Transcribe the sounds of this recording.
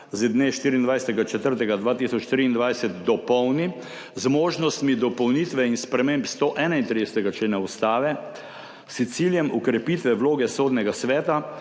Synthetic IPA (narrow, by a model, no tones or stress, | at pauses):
zɛd̪neʃt̪iːɾiːnd̪ʋajsɛt̪ɛɡat͡ʃɛt̪əɾt̪ɛɡad̪ʋaːt̪isɔt͡ʃt̪ɾiːnd̪ʋajsɛt̪̚d̪ɔpɔwni | zmoːʒnɔst̪mid̪ɔpɔwnit̪ʋɛinspɾɛmempst̪oʔɛːnaint̪ɾid̪ɛsɛt̪ɛɡat͡ʃleːnaust̪aːʋɛ | st̪siljɛmukɾɛpiːt̪ʋɛwloːɡɛsoːd̪nɛɡasʋɛːt̪a